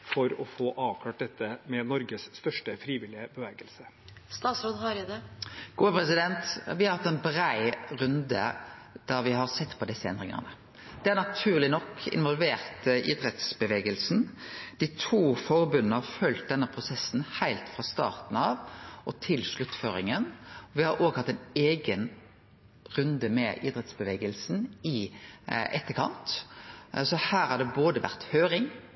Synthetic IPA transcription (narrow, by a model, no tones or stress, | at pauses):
fɔɾɔfoːʔɑːʋkʰlɑːʈ̚d̪ɛt̪ːəmɛnɔɾɡəsːt̪œʂʈəfɾiːʋɪlɪəbəʋɛːɡəlsə | st̪ɑːt̪sɾoːd̪hɑɾɪd̪ɛɡ̥uːəpɾɛsɪd̪ɛnt̪ʋɪhɑɾhɑt̪ːɛnbɾæɪʁʉnd̪ə̰d̪̥ɑʁʋɪhɑʁsɛt̪ːpʰɔd̪ɛsəɛ̰nd̪ɾʁɪŋə̰ʁnə | d̪̥ɛæʁnɑt̪ʰʉːʁlɪnɔkʰːɪ̰nʋɔlʋeːʁt̪ʔɪd̪ɾɛt̪sbəʋeːɡəlsn̩d̪̥ɪt̪ʰuːfɔɾbʉnənəhɑɾfœlt̪̚d̪ɛnːəpʰɾʊsɛsːn̩hæɪlt̪fɾɑst̪ɑ̰ːʁt̪n̩ɑʋʔɔt̪ʰɪlʂɭʉt̪ːføːɾɪ̰ŋənɔʋɪhɑɾʔoːɡhɑt̪ːɛɪneːɡən | ʁʉnd̪əmɛʔiːd̪ɾɛt̪sbəʋeːɡəlsn̩ɪ | ʔɛt̪ːəkʰɑ̰nt̪ | sɔhæːɾʁhɑd̪ɛboːd̪əʋæ̰ʁt̪høːɾɪŋ